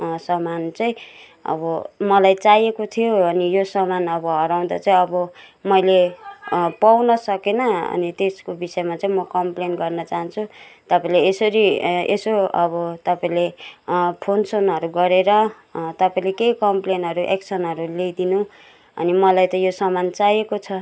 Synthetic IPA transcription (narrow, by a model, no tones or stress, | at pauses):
sʌmant͡saĩ | ʌ̰bʌmʌlajt͡sajekot̪ʰijoʌnijosʌmanʌbʌɦʌɾaw̃d̪a̰t͡saĩʌbʌmʌjle | pawnʌsʌkenʌʌ̰nit̪eskobisʌmat͡saĩmʌkʌmplenɡʌrnʌt͡saɦãnt͡sʰut̪ʌpaĩleːsʌɾiḛsoʌβʌt̪ʌpaĩle | pʰonsonɦʌɾuɡʌɾeɾʌ | t̪ʌpaĩlekeikʌmplenʌɾuʔeksʰʌnɦʌɾulejd̪inu | ʌ̰nimʌlajt̪ʌjosʌmant͡sajekot͡sʰʌ